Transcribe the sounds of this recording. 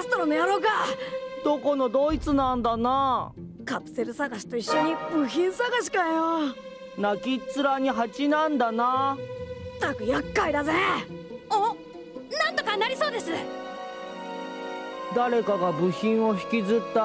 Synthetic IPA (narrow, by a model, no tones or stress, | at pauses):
asɨ̥t̪oɾonojaɾoːkad̪̥o̞ko̞no̞d̪o̞it͡sɨnãnd̪ana | kapɯ̟̥se̞ɾɯ̟saɡaɕi̥t̪o̞iɕːo̞ɲ̟ibɯ̟çĩɰ̃saɡaɕ̬i̥kajo | nakʲit͡sɨɾaɲ̟iɦat͡ɕinãnd̪ana | t̪akɯ̟jakːaid̪aze | o | nãnt̪okaɲʲnaɾʲiso̞ːd̪e̞sɨ | d̪aɾe̞kaɡabɯ̟çĩɰ̃o̞çi̥kʲizɨt̪ːa